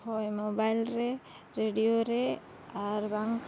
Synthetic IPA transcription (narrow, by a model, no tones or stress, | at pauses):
hojmobajlɾe | ɾeɖijoɾe | aɾbaŋk